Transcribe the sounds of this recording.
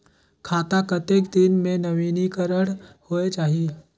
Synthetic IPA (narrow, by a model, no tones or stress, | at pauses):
kʰaːt̪akɐt̪eːkd̪ɪnmẽnɐʋiːnikəɾəɽhoːet͡ʃaːɦie